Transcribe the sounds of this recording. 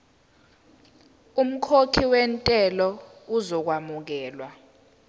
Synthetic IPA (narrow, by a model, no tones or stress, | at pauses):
um̩kʰokʰiwɛntʼɛlɔuzɔk̬wamuk̬ɛːlwa